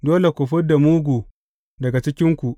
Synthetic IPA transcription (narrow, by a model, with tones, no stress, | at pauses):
doː˦le˨kʷʊ˨ɸʊ˦da˨muː˦ɡʷuː˨ | dɐ˨ɡa˨t͡ʃɪ˦kʲɪ˦ŋkʷu˨ʔ